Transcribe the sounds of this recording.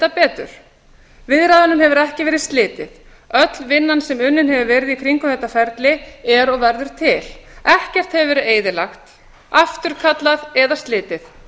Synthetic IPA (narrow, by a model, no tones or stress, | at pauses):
t̪apɛːt̪ʏ̰ɾ̥ | vɪðɾaðanʏmhɛvʏɾɛhcɪvɛːɾɪst̪lɪːt̪ɪð | œt̪lvɪnːansɛmʏnːɪnhɛvɪvɛːɾɪðikʰɾiŋkʏθɛht̪ːafɛɾt̪lɪɛɾɔɣvɛɾðʏɾ̥t̪ʰɪl̥ɛhcɛr̥t̪hɛvɪvɛːɾɪeːjðɪlaxt̪ | aft̪ʏɾ̥kʰat̪laðɛðast̪lɪːt̪ɪθ